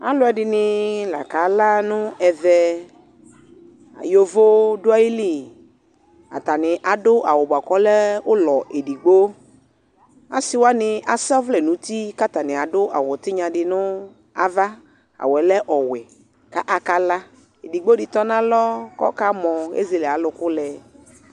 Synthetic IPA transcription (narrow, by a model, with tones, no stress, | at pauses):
a̰˦lʊ˦ɛ˨dɪ˨nɪ˨la̰˨ka˨la˦nʊ̃˦ʔɛ˨vɛ˦ | a̰˨jo˨vo˦dʊ˦a˦ji˦li˦ | a̰˨t̪a˨nɪ˨ʔa˨dʊ˦ʔa˨wɔ˨ba˨kɔ˨˦lɛ˦ʊ˦lɔ˨ʔe˨di˨ɡ͡bo˦ | a˦sɪ˦wa˦nɪ˨a˨sa˦vlɛ˨nũ˨˦t̪i˦ka˦t̪a˨nɪ̃˨a˨dʊ˦ʔa̰˨wɔ˨t̪ɪ˦ɲã˨ɖɪ˨nʊ̃˦ | a˨va˦ | a̰˨wɛ˨lɛ˦ʔɔ˨wɛ˨ | ka˦ʔa˨ka˦la˦ | e˨di˨ɡ͡bo˦dɪ˨t̪ɔ˦nã˦lɔ˦kɔ̰˦ka˦mɔ̃˨ḛ˦ze˨lɛ˨a˨˦lʊ˨kʊ˦lɛ˨